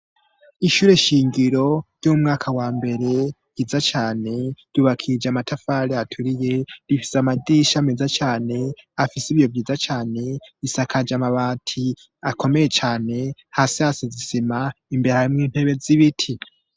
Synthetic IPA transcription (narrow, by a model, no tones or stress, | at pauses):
iʃuːɾe̞ʃiːŋɡiɾo̞ɾjomumŋaːkʰawaːmbe̞ɾe̞ | jizat͡ʃaːne̞ɾuβakʰid͡ʒamatʰafaɾeatʰuɾije̞ɾifi̥seamadiːʃamezat͡ʃaːne̞afisiβjo̞vjiːzat͡ʃaːne̞isakʰad͡ʒamaβatʰi | ako̞me̞je̞t͡ʃaːne̞hasiasizisimaimbe̞ɾehaɾimŋiːn̥he̞βe̞ziβitʰi